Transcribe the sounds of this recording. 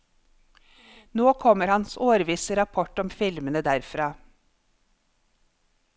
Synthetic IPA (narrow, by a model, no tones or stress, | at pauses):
noːkʰɔməɾhɑnsoːɾʋiːsəɾɑpʰɔʈɔmfɪlmənəd̪æɾfɾɑː